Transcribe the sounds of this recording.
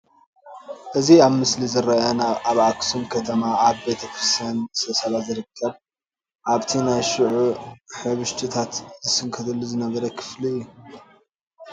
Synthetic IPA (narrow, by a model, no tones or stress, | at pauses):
ʔɨziaβmɨslizɨɾɐjanaaβaksumkʰɐt̪ʰɐmaːβbe̞t̪ʰɐkʰɾɨst̪ʰijanɨst̪ʰɐsɐlazɨɾɨkʰːɐβ | ʔaβt̪ʰinajʃɨʕuħɨβɨʃt̪ʰɨt̪ʰat̪zɨsɨŋkʰɐd̪ɐlːuzɨnɐβɐɾɐkʰɨ̥fliɨjːu